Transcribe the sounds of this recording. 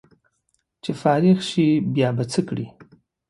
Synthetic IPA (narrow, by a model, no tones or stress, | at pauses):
t͡ʃʰefaːɾiʁʃibjaːbat͡sʰəkɽi